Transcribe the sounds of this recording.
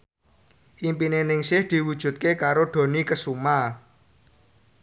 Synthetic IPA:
ʔimpinenɪŋsɪhd̪̥i̤wud̥ʒ̥ṳt̪̚kekaɾoɖ̪̥o̤nikəsuma

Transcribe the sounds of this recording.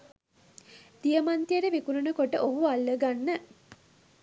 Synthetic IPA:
d̪̥ijəmant̪iəʈəʋikununəkoʈəʔoɦualːəɡanːə

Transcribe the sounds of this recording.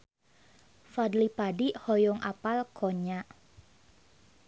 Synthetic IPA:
fadlipadihɔjɔŋʔa̰palkʰoɲaʔ

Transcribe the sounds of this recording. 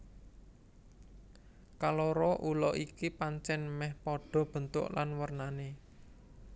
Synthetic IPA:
kaloɾɔʔulɔ̰ʔikipaɲt͡ʃɛnmɛhpɔɖ̥ɔ̤b̥ə̤nt̪ʊ̰ʔlanwərnane

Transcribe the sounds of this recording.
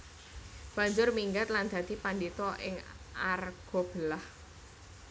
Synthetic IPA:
b̥a̤ɲd͡ʒʊrmiŋɡat̪land̪̥a̤d̪̥i̤pandit̪ɔʔɪ̰ŋ | arɡ̥ɔ̤b̥əlah

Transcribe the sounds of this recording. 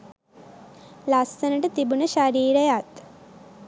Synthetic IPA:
lasːənəʈət̪ibunəʃaɾiːɾəjat̪

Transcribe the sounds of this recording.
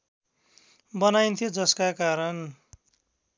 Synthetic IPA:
bʌnajnt̪ʰijod͡zʌskakaɾʌn

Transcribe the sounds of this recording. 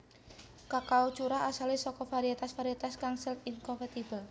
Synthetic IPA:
kakaut͡ʃuɾaʔasalisɔkɔfaɾiat̪asfaɾiat̪askaŋsilinkɔmpat̪ibəl

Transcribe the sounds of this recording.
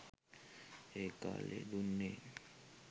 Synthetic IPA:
eka̰lḛd̪unːe

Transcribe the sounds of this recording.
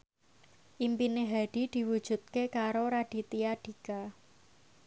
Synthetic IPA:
ʔimpineɦaɖ̥i̤d̪̥i̤wud̥ʒ̥ṳt̪̚kekaɾoɾaɖ̥i̤t̪iaɖ̥i̤ka

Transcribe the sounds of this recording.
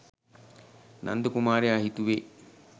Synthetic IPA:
nʔa̰nd̪əkumaːɾeaɦit̪uʋeː

